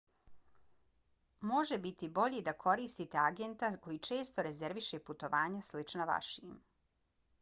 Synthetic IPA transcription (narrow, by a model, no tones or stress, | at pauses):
mo̞ʒebit̪ibo̞ʎid̪akʰo̞ɾiːst̪it̪e̞aɡent̪ako̞jit͡ʃe̞ːst̪o̞ɾe̞zeɾʋiʃeput̪o̞ʋaːɲaslit͡ʃnaʋa̰ʃiːm